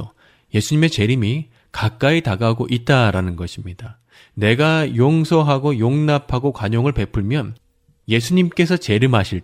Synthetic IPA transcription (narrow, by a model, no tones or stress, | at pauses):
o | je̞sʰuɲime̞t͡ɕe̞ɾimi | kak͈̚aitaɡaɡoʔit̚t͈aɾanɯnɡʌɕʰimɲida | ne̞ɡajoŋsʰʌɦaɡojoŋnapʰaɡokwaɲoŋɯɭpe̞pʰɯɭmjʌn | je̞sʰuɲimk͈e̞sʰʌt͡ɕe̞ɾimɦaɕʰiɭ